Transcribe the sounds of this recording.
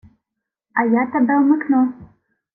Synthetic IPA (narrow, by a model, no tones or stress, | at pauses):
ajatʰabalmɨkʰno